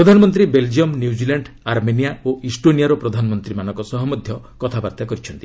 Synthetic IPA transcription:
ɾɔd̪ʱanɔmɔnt̪ɾibeld͡ʒiɔmnjud͡ʒilaɳɖaɾmenijaoisʈonijaɾɔpɾɔd̪ʱanɔmɔnt̪ɾimanɔ̃ŋkɔsɔɦɔmɔd̪ʱjɔ | kɔt̪ʰabaɾt̪akɔɾit͡ʃʰɔnt̪i

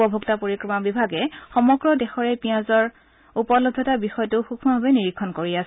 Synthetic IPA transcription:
ɔbʱuktapoɹikɹɔmabibʱaɡɛxɔmɔɡɹɔdɛxɔɹɛpiãzɔɹ | upɔlɔdʱːɔtabixɔjɔtʊxukʰmɔbʱabɛniɹikʰːɔnkoɹias

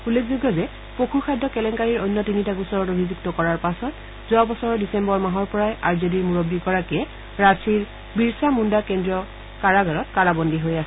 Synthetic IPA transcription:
ulekzuɡɔzɛ | pokʰuxʰajdʱːɔkɛlɛŋkaɹiɹojnːjɔtinitakusɔɹɔtobʱizuktɔkɔɹaɹpasɔt | zɔabɔsɔɹɔdisɛmbɔɹmaɦɔɹpɔɹajaɹzediɹmuɹobːiɡɔɹakiɛ | ɹasʰiɹ | biɹsamundakɛndɹiɔ | kaɹaɡaɹɔtkaɹabɔndiɦojasɛ

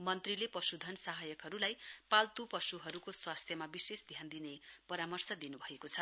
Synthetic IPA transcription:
mʌnt̪rilepʌsud̪ʱʌnsaɦajʌkɦʌɾulajpalt̪upʌsuɦʌɾukoswast̪ʰjʌmabisesd̪ʱjand̪inepʌɾamʌrsʌd̪inubʱʌekot͡sʰʌ

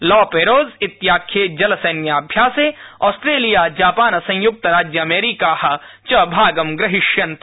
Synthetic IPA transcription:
lɔːpeːɾoːzɪt̪jaːkʰed͡ʒɐlseːnjaɐbʱjaːseɔːsʈɾeːlijaːd͡ʒaːpaːnɐsɐ̃j̃jʊk̚t̪ɾaːd͡ʒjəɐmeːɾikaːhɐ | t͡ʃɐbʱaːɡɐmɡɾɪɦɪʃjɐnt̪

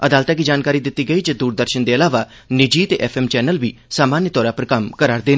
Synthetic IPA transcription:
əd̪aːlt̪aːkiːd͡ʒaːnkaːɾiːd̪ɪt̪ːiːɡəiːd͡ʒəd̪uːɾd̪əɾʃənd̪eːəlaːʋaː | nɪd͡ʒiːt̪eʔɛpʰɛːmt͡ʃɛːnəlʋiːsaːmaːnjət̪ɔːɾaːpəɾkəmkəɾaːɾd̪eː

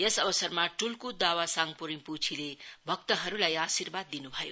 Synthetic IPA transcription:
jesʌbʌsʌrmaʈulkod̪awasaŋɡpuɾiput͡sʰilebʱʌk̚t̪ʌɦʌɾulajasirbad̪ːinubʱʌjo

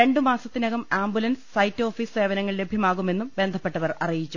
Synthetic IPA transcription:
e̞ɳɖɨmaːsɐt̪ːinɐɣɐmaːmbulɐnssɐjtːo̞ːfisse̞ːʋɐnɐŋːɐɭle̞bʱjɐmaːɣume̞nːumbe̞nd̪ʱɐpːe̞ʈːɐʋɐrɐ̰rijit͡ɕːu

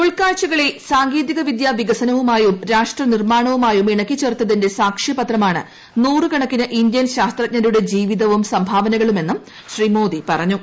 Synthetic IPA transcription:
uɭkaːɻt͡ɕɐɣɐɭe̞saːŋɡeːðiɣɐʋid̪jaːʋiɡɐsɐnɐʋumaːjumɾaːʂʈrɐnirmaːɳɐʋumaːjumeɳɐkːit͡ɕert̪ːɐðinde̞saːkʂipɐt̪rɐmaːɳɨ̰ | nuːrɨkɐɳɐkːinɨʔindjɐnɕaːst̪rɐt̚ɲɐɾuɽe̞d͡ʑiːʋiðɐʋumsɐmbʱaːʋɐnɐɣɐɭume̞nːum | ɕrimo̞ːd̪ipɐrɐɲːu

